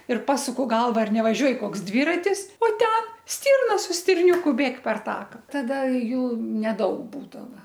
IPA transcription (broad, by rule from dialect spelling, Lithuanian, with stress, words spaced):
ɪr ˈpɑːsʊkʊ ˈɡɐlˠʋɐ ˈɐr nʲɛʋɐˈʒʲuɔj ˈkoːks ˈdʲʋʲiːrɐtʲɪs oː ˈtʲɛn ˈsʲtʲiːrnɐ sʊ sʲtʲɪrʲˈnʲuːkʊ ˈbʲeːk pʲɛr ˈtɑːkɐ ˈtɑːdɐ ˈjuː nʲɛˈdɐʊk ˈbuːdɐʋɐ